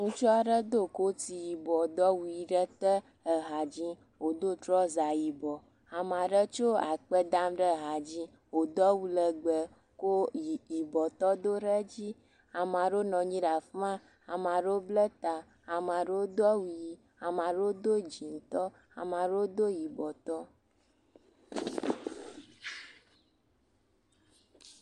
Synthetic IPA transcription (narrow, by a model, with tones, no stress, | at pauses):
ŋũ˦t͡ʃɔ˦a˨ɖə˦d̪o˦˨ko˦t̪i˨ji˨bɔ˨d̪ɔ˦wu˨ji˨ɖə˦t̪ə˦ | ə˨ɦa˨d͡ʑi˦ | wo˨d̪o˦t̪ɾɔ˦za˨ji˨bɔ˨ | a˨mã˨ɖə˦t͡ʃo˦a̰˨k͡pə˦d̪a˦mɖə˦˨ɦa˨d͡ʑĩ˦ | wo˨d̪ɔ˦wu˦lə˨ɡ͡bə˨ | ko˦i˨ji˨bɔ˨t̪ɔ˦d̪o˦ɾə˦d͡ʑi˦ | a˨mã˨ɖo˦nɔ̃˨ɲĩ˦ɖa˨fã˦ | a˨mã˨ɖo˦blə˦t̪a˨ | a˨mã˨ɖe˦o˦d̪ɔ˦wu˨˦ji˨ | a˨mã˨ɖo˦d̪o˦d͡ʒi˨ŋ˦t̪ɔ˦ | a̰˨mã˨ɖo˦o˦d̪o˦ji˨bɔ˨t̪ɔ˦